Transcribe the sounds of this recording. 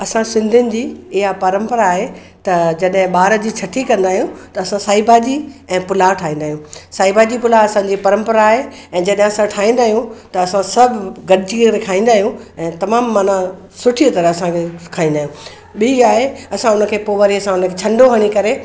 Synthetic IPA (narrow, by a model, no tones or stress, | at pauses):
ɐsãsɪ̃nd̪ʱʊnɪ̆d͡ʑiːɪɦapɐɾə̃mpəɾaːɦe | t̪ɐd͡ʑɐɗɦɪ̃ɓaːɾə̆d͡ʑiːt͡ɕʰɐʈʰikɐ̃nd̪aːɦijũt̪ɐɐsãsaːibʱad͡ʑiɛ̃ːpʊlaʈʰaːĩːnd̪aːɦijũːsaːibad͡ʑipʊlaɐsãːd͡ʑipɐɾə̃mpəɾaːɦe | ɛ̃ːd͡ʑɐɗɦɪ̃ɐsãʈʰaːɦĩnd̪aːɦijũt̪ɐɐsãsɐbʱɪɡɐɗɪd͡ʑikɐɾekʰaːĩːnd̪aːɦijũɛ̃ːt̪ɐmaːmːɐna | sʊʈʰit̪ɐɾəɐsãkʰekʰaːĩːnd̪aːɦjũ | ɓiiaːɦeɐsãʊnə̆kʰeːpoːʋəɾiɐsãʊnəkʰeːt͡ɕʰɐ̃ɳɖoɦɐɽ̃ikɐɾe